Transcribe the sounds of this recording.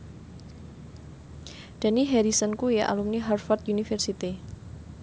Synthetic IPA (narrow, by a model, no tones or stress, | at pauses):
d̪̥aniɦɛɾisənkujaʔa̰lumniɦarfɔrt̪junifɛrsit̪i